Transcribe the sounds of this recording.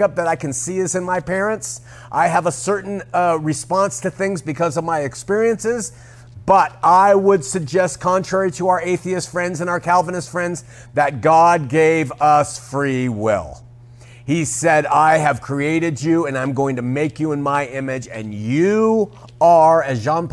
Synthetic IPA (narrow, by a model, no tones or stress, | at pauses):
ʌp̚ðɨɾaɪkɨ̃n̩siðɪsɨ̃nmaɪpʰɛɹɨ̃nts | ʔaɪəvəsɜ˞ʔn̩ɹɨspɑ̃nstʰɨθɪ̃ŋzbɨkʰʌzʌvmaɪɨkspɪɹiɨ̃nsɪz | b̥ʌɾaɪwədsɨɡ̚d͡ʒɛst̚kʰɑ̃ntʰɹ̥ɛɹiɾəaʊə˞eɪθiɨstfɹɛ̃ndzɨ̃naʊə˞kʰælˠvənɨstfɹɛ̃ndz | ðɨt̚ɡ̥ɑd̚ɡeɪvʌsfɹiwɪ̰lˠ | hisɛɾaɪɨv̥kʰɹ̥ieɪɾɨd͡ʒʉɨ̃nãɪ̃mɡoʊɪ̃ŋtɨmeɪkjɨə̃nmaɪɪ̃mɪd͡ʒɨ̰̃njɨ | ə˞ɨzʒɑ̃np